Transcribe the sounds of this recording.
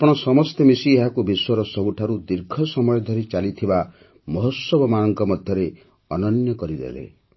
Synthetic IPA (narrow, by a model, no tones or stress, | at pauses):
apɔɽ̃ɔsɔmɔst̪emisieɦakubiswɔɾɔsɔɦuʈʰaɾud̪iɾɡʱɔsɔmɔjɔd̪ʱɔɾit͡ʃalit̪ʰiba | mɔɦɔsɔbɔmaɔŋkɔmɔd̪ʱjɔɾe | ɔnɔnjɔkɔɾid̪ḛlḛ